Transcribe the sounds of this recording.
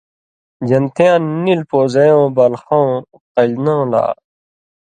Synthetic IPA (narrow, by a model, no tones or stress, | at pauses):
d͡ʑɐnt̪ʰejãːnːilpoːzɐjõːbɐlxõː | qɐʎnõːla̰ː